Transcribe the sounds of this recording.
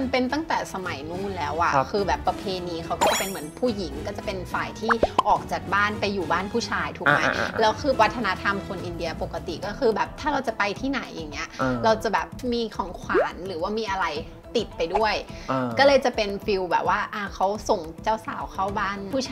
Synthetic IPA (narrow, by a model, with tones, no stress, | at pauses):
npe˧nt̪a˥˩ŋt̪ɛː˨˩sa˧ma˨˩˦jnuː˥˩˨nlɛː˦˥wʔa̰˨˩kʰɯː˧bɛː˨˩pːɾa˧pʰeː˧niː˧kʰa˦˥wkɔː˥˩t͡ɕa˨˩pe˧nmɯ˩˦ənpʰuː˥˩ji˩˦ŋkɔː˥˩t͡ɕa˨˩pe˧nfaː˨˩jt̪ʰiː˥˩ʔɔː˨˩k̚t͡ɕaː˨˩k̚baː˥˩npa˧jːuː˨˩baː˥˩npʰuː˥˩t͡ɕʰaː˧jt̪ʰu˨˩k̚ma˦jlɛː˦˥wkʰɯː˧a˦˥t̪ʰːa˧na˦˥t̪ʰa˧mkʰo˧nʔi˧ndi˧ɐpo˨˩kːa˧t̪ḭ˨˩kɔː˥˩xʰɯː˧bɛː˨˩p̚t̪ʰaː˥˩ɾa˧wt͡ɕa˨˩pa˧jt̪ʰiː˥˩na˩˦jʔːa̰ː˨˩ŋni˦˥ɐɾa˧wt͡ɕa˨˩bɛː˨˩p̚miː˧kʰɔː˨˩˦ŋkʰwaː˩˦nɾɯː˩˦waː˥˩miː˧˩ʔa˧ɾa˧j | t̪i˨˩t̪̚pa˧jdu˥˩əjʔkɔː˥˩lɤː˧jt͡ɕa˨˩pe˧nfi˧wbɛ̰ː˨˩p̚waː˥˩ʔaː˧˩kʰa˦˥wso˨˩ŋt͡ɕaː˥˩wsa̰ː˨˩˦wkʰa˥˩wbaː˥˩nʰuː˥˩t͡ɕʰː